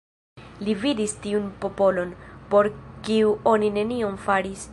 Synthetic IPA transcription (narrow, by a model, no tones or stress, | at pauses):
lividistiunpo̞po̞lo̞npo̞ɾkiuo̞nine̞niomfaɾis